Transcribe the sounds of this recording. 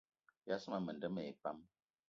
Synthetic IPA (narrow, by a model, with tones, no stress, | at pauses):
ja˦sə˦ma˨mə˨ndə˦me˨e˨pa˦m